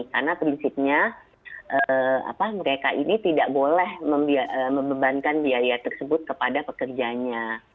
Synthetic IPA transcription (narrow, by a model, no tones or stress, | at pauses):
karnapɾinsip̚ɲa | ʔəa̰paməɾekaʔinit̪idaʔbolɛhməmbiaəməmbəbankanbiaɾiat̪ərsəbʊt̪̚kəpadapəkərd͡ʒaɲa